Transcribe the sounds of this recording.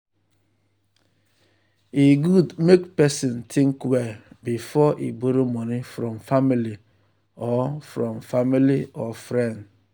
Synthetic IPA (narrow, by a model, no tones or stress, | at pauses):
iɡudmekpɛsɔ̃ntʰĩŋkwɛbifɔʔiboɾomɔnifɾɔmfamili | ɔfɾɔmfamiliɔfɾɛ̃nd